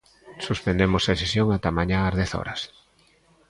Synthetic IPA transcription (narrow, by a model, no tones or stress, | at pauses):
suspend̪emosaesesjoŋat̪amaɲãːzðɛθɔ̰ɾɐs